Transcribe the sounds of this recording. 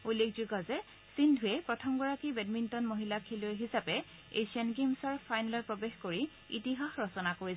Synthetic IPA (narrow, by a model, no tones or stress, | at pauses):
ulːekʰzuɡɔzɛ | sindʱʊɛpɹɔtʰɔmɡɔɹakibɛdmintɔnmoɦilakʰilojɦisapɛ | esiɔnɡemsɔɹpʰajnɛlɔɹpɹɔbexkoɹi | itiɦaxɹɔsɔnakoɹi